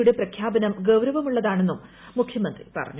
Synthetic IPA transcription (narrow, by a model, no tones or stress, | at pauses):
uɽeprɐkʰjaːbɐnɐmɡɐwɾɐʋɐmuɭːɐðaːɳe̞nːum | mukʰjɐmɐnd̪rḭpɐ̰rɐ̰ɲːu